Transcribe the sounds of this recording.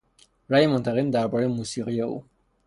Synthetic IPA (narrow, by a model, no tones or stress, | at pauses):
ɾæːjemont̪ʰæɣemd̪æɾbɒːɾejemuːsiːɣijeʔṵː